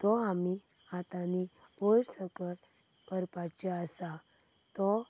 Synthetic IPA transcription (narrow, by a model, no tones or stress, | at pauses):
t̪ɔami | at̪anipojɾsəkəl | kəɾpat͡ɕeəsa | t̪ɔ